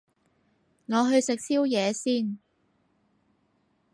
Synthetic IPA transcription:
ŋɔː˨˧ɦɵ˧ɥsɪ˨k̚siː˥wjɛː˨˧siː˥˩n

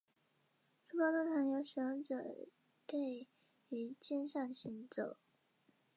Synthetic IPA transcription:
ʈ͡ʂu˥pɑ˥t̪ə˥ŋt̪ʰa˧˥njo˧˥ʊɕɥɛ˧˥nʈ͡ʂɤ̰˨˩ | ke˥˩ɪ | y˧˥t͡ɕjɛ˥nɕɑ˥˩ŋɕi˧˥ŋt͡so˨˩˦ʊ

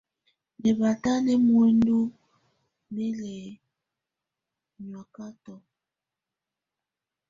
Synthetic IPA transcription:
nɛ˨ba˨ta˦nɛ˦mwe˦ndu˦ | ne˦lɛ˨ | ɲwa˨ka˦tɔ˨

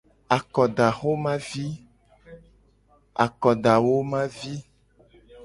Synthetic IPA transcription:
a˨kɔ˨ɖa˨xo˦mã˦vi˦ | a̰˨kɔ˨ɖa˨wo˦mã˦vi˦

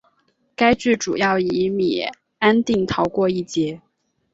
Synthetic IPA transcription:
ka˥ɪt͡ɕy˥˩ʈ͡ʂṵ˨˩jɑ˥˩ʊi˧˥mḭ˨˩ | a˥nt̪i˥˩ŋt̪ʰɑ˧˥ʊkwɔ˥˧i˥˩t͡ɕjɛ˧˥

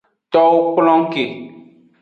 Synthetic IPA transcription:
tɔ˦wo˦k͡plɔ̃˦ŋ˦ke˨

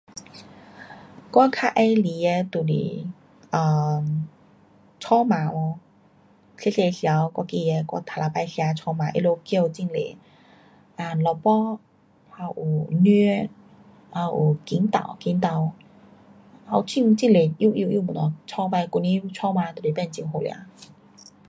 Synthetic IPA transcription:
kɔ˥˦kʰa˧ʔa˧jli˨˦e˧t̪u˨˩lḭ˨ | ʔəː˨˩ | t͡ɕʰɔ˥maː˨˦wɔ˧ | se˧˥˦se˧si˧˨a˨˧wkɔ˧ki˧e˧kɔ̰˧˩t̪ʰa˨la˨˧pa˧jsi˧˨a˨˧t͡ɕʰɔ˧maː˨˧˦ʔḭ˧˥˨lo˧ki˧ə˧wt͡ɕi˧˨ŋlḛ˨˦ | ʔa˧˩lɔ˧˩pɔ˦˥ | ha˧wʔu˨˩ny˧ | ʔa˧wʔu˨˩ki˨˦nt̪a̰˨˩wki˨˧˦nt̪a˧˩w | ha˧˩wt͡ɕʰi˥˧ŋ˧t͡ɕi˥˧˨nle˨˩ʔi˧˨ʔi˧˨ʔji˥˧˨mu˨nɔ˨˧˩t͡ɕʰɔ˧pa˧jku˧ni˧˦˧t͡ɕʰɔ˧ma˧t̪u˨˩li˨pɛ˥˧˨nt͡ɕi˧˨ɦo˨˧˨lj̰a̰˧˦

